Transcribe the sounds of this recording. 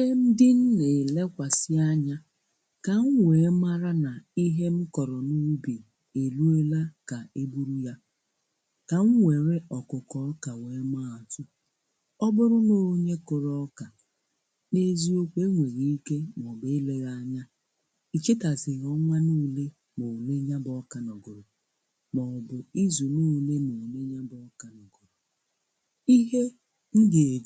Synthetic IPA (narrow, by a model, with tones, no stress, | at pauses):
e˦m̩˦dɪ˦n̩˦ne˨le˦kʷa˨sɪ˦a˦ɲa˦ | ka˨ŋ̩˦wʷe˨˦ma˦ɾa˦na˨i˦ɦe˦m̩˦kɔ˨ɾɔ˨nu˦bi˨ | e˨lu˦e˦la˦ka˨e˦bu˦ɾu˦ja˦ | ka˨ŋ̩˦wʷe˨ɾe˦ʔɔ˨kʊ˨kɔ˦ka˨we˨˦ma˦˨a˨tʊ˦ | ɔ˦bʊ˦ɾʊ˦no˦˨˦ɲe˦kʊ˨ɾɔ˦ka˨ | ne˨zi˦o˦kʷe˦ŋʷe˨ɾi˦i˦ke˦m˨ɔ˨bɪ˦le˦ɣa˦˨ɲa˦ | i˨t͡ʃi˦ta˨zɪ˨ɣɔ˦ŋʷa˦nuː˦le˦ | mo˨le˦ɲa˦bɔ˦ka˨nɔ˨ɡʊ˨ɾʊ˨ | mɔ˨bʊ˨i˦zu˨nuː˦le˦no˨le˦ɲa˦bɔ˦ka˨nɔ˨ɡʊ˨ɾʊ˨ | i˦ɦe˦ | n̩˦de˨e˨˦